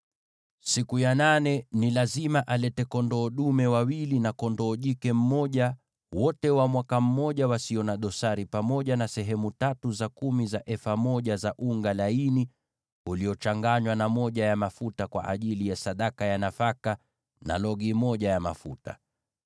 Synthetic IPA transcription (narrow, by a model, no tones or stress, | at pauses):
sikujananɛnilazimaʔalɛtɛkɔndɔːɗumɛwawilinakɔndɔːʄikɛm̩mɔʄa | wɔtɛwamwakam̩mɔʄawasiɔnaɗɔsaɾipamɔʄanasɛɦɛmutatuzakumizaʔɛfamɔʄazaʔuŋɡalaini | uliɔt͡ʃaŋɡaɲwanamɔʄajamafutakwa̰ʔaʄilijasaɗakajanafaka | na̰lɔɡimɔʄajama̰fṵta̰